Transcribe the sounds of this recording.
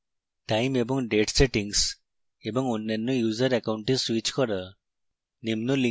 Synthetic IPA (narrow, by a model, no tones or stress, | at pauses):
ʈajmebɔŋɖeʈseʈiŋs | ebɔŋunːenːujuzəɾɛkawuɳʈeswit͡ʃkɔɾɔ | nimnuli